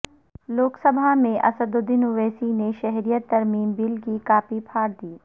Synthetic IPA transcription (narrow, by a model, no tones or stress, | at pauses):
loːksɐbʱamẽʔɐ̰səd̪od̪ɪnʊʋeːsineʃɛɦɾijət̪ːɐɾmiːmbɪlkikaːpipʰaːɾd̪iː